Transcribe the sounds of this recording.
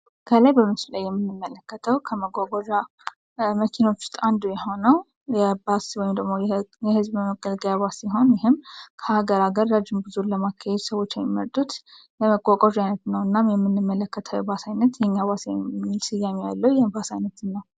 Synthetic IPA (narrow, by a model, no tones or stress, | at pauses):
kʰəlajbəmɨslajːɛmːɨnːɨmːələkːət̪ʰəwkʰəməkʼokʼoʒa | məkʰino̞t͡ʃːʊ̥st̪ʼand̪ujɛho̞nəw | jɛbaswɔjmd̪əɡmojjɛhɨzbməɡʼəlɡjaβasiɦo̞njɪɦɨmkʰəhaɡəɾaɡəɾːad͡ʒɪmbɨzuləmakʰːahed̪səwo̞t͡ʃːjɛmːimːəɾt̪ʼut̪ | ləməkʼokʼoʒajnət̪nəwɨnːamjɛmːɨnːɨmːələkːət̪ʰəwjɛbasajnːət̪jɛɲːaβasjɛmːilsɨjːamijalːəwjɛbasajnːət̪ɨnːəw